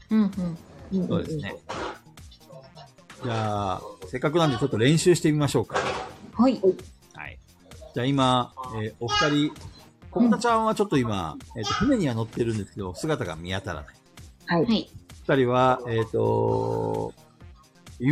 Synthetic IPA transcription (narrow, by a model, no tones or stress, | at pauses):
ɯ̟̃ɯ̃so̞ːd̪e̞sɨne̞̰ | d͡ʑaːse̞kːak̬ɯ̟nãnd̪̬e̞t͡ɕo̞t̪ːo̞ɾẽ̞ɰ̃ɕɨːɕi̥t̪e̞mʲimaɕo̞ːkḁhai | ha̰ḭ | d͡ʑaːimaeːo̞ɸɯ̥t̪aɾʲi | kokt̪at͡ɕãɰ̃at͡ɕo̞t̪ːo̞ima̰eːt̪ːo̞ɸɯ̟ne̞ɲ̟iβano̞t̪ːe̞ɾɯ̟̃nd̪e̞sɨ̥ke̞d̪o̞sɨɡat̪aɡa̰mʲiat̪aɾa̰nai̥aiooɸɯ̟̥t̪aɾʲiβaeːt̪ːo̞̰ | i